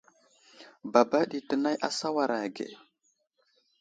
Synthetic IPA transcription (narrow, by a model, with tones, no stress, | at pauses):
ba˨ba˦ɗi˨tə˨na˦jʔa˨sa˦wa˨ɾa˨ɡḛ˨